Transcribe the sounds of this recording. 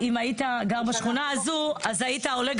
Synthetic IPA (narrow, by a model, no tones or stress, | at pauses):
imait̪aɡaʁbaʃχunaːzuazait̪ao̞leɡ